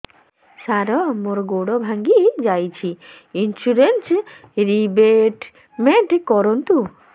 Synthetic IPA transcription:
saɾɔmoɾɡoɽɔbʱaŋɡid͡ʑajt͡ɕʰi | insuɾensɾibeʈ | meɳʈkɔɾɔnt̪u

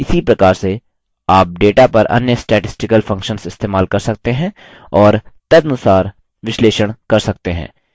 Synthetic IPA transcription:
ɪsipɾɐkaːɾse | aːp̚ɖeːʈapɐɾɐ̰njəsʈɛːʈɪsʈɪkəlfɐ̃ŋkʃənsɪst̪eːmaːlkɐɾsɐk̚t̪eɦɛ̃ | ɔːɾt̪ɐd̪ɐnʊsaːɾ | ʋɪʃleːʃəɽ̃kɐɾsɐk̚t̪eɦɛ̰̃ː

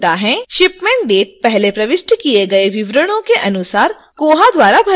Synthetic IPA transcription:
t̪aɦɛ̃ʃɪpmɛ̃ːɳʈ̚ɖeːʈ̚pɛɦlepɾɐʋɪʃʈkieɡɐeʋɪʋɾəɽ̃õkeʔɐnʊsaːɾ | koːɦad̪waːɾabʱɐ

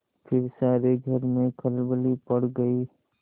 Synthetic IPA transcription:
pʰɪɾsaːɾeɡʱəɾmẽkʰəlbəlipəɽɡəi

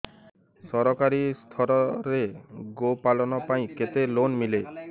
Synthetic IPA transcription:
sɔɾɔkaɾist̪ʰɔɾɔɾeɡopalɔnɔpaĩket̪elonmile

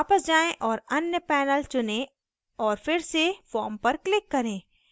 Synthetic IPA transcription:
aːpəsd͡ʒaːẽʔɔːɾɐnjəpɛːnəlt͡ʃʊnẽ | ɔːɾfɪɾsefɔːɾmpɐɾklɪkːɐɾẽː

